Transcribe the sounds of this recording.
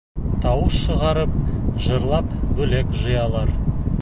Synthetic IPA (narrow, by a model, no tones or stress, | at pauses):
t̪ʰɑwəsʃəʁɑɾəp̚ʒəɾlˠɑpbɵlekʒəjɑlˠɑɾ